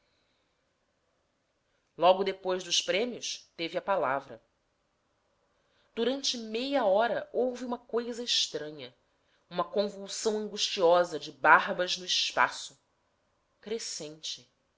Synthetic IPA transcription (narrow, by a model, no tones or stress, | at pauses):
lɔɡʊd̪epojzd̪ʊʃpɾẽmiʊst̪evɪɐpalavɾɐ | d̪̥uɾɐ̃nt͡ʃɪmejɐɔɾɐʔowviũmɐkojzɐɪʃt̪ɾɐ̃ɲɐ | ũmɐkõvuwsɐ̃w̃ɐ̃ŋɡuʃt͡ʃiɔzɐd͡ʒɪbaɦbɐznʊɪʃpa̰sʊ | kɾesẽnt͡ʃɪ